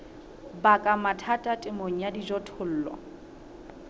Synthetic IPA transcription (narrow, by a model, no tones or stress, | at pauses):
bakʼamatʰatʼatʼɪmoŋ̩jadid͡ʒɔtʰʊl̩ːlɔ̰